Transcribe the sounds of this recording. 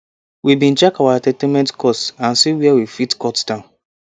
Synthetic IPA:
wibĩn̩t͡ʃɛkawatɛtemɛ̃ntkʰɔtãnsiwiɛwifitkɔtsdãʊ̃n

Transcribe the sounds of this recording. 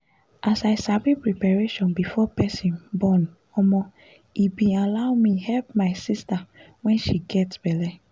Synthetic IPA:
ʔasaɪsabipɹipaɹeʃɔ̃nbifɔpɛsĩnbɔn | ɔmɔ | ibĩalaʊmihɛlpmaɪsista | wɛ̃nʃiɡɛtsb̥ɛlɛ

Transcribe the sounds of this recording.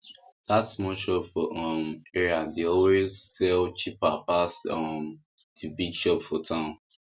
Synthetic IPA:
datsmɔʃɔpfɔʔʌmɛɹiadeɔlwezsɛlt͡ʃipapasɔm | dibiɡʃɔpfɔtʰãʊ̃n

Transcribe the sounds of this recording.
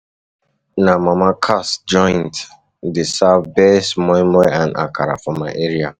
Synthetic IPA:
namamakʰasd͡ʒɔ̃ɪnt | disavbesmɔ̃mɛãna̰kʰaɾa̰fɔmaɪʔeɹia

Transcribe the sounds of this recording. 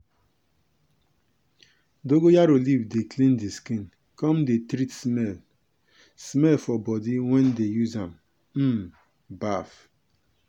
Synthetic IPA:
doɡojaɾolivdeklindiskin | kɔm̩detɾitsmel | smelfɔbɔdiŋʷɛndejuzam | m̩m | baf

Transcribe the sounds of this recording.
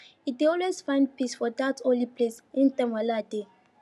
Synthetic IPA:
it̚deɔlwesfãɪ̃nd̚pisfɔdatʰɔ̃nlipʰlesĩntɛ̃mwalade

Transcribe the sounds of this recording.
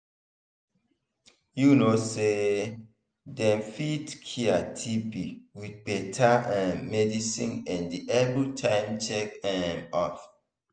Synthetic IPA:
junose | dɛ̃mfitkʰiatʰibiwid̚betʰaɛ̃nmɛdisḭ̃nɛ̃ndiʔɛvɹitʰãɪmt͡ʃɛkɛ̃mɔf

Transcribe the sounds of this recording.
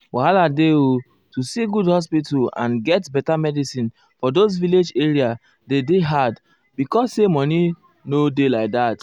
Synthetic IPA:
wahaladeo | tusiɡudhɔs̬pitulã̰nɡɛtbɛtamɛdisĩn | fɔdozviled͡ʒeɹia | dedeɦad | bikɔsːemɔni | nodelaɪk̚ðat

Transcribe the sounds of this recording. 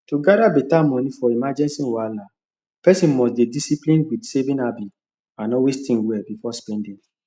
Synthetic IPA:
toɡadabetamɔ̃nĩfɔimad͡ʒɛ̃nsĩwala | pɛsĩnmɔsdedisiplĩnwidsevĩnabi | ãnɔwestĩnwɛlbifɔspɛ̃ndĩŋ

